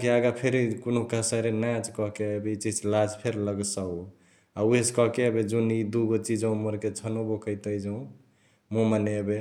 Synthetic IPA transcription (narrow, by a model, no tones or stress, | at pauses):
kiaɡapʰeɾikonokasəɾenat͡ʃkɔɦkeəbeit͡ʃid͡ʒlad͡ʒpʰeɾləɡsau | aueskɔɦkeəbed͡ʒunid̪uɡot͡ʃid͡ʒəũməɾket͡ʃʰənobokəɪt̪əjd͡ʒəũ | momaneəbe